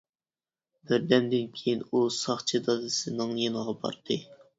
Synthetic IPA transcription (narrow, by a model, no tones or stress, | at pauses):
bɪɾd̪ɛmd̪ɪnkʲʰejinusɑχt͡ʃʰɨd̪ɑzɨsɨnɨŋjenɨʁɑbɑ̰ɾd̪ʰɨ